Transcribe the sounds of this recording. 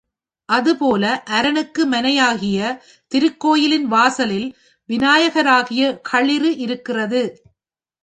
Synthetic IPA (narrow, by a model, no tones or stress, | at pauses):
ʔɐðɯpoːlɐʔɐɾɐnɯkːɯmɐnɐjaːɣɪjɐ | t̪ɪɾɯkːoːjɪlɪnʋaːsɐlɪl | ʋɪnaːjɐɣɐɾaːɣɪjɐkʰɐɭɪrɯʔɪɾɯkːɪrɐðɯ